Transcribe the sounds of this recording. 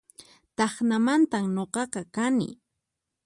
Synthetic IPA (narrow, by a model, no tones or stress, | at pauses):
t̪ɑχnamant̪amɲoqɑqɑkanɪ̰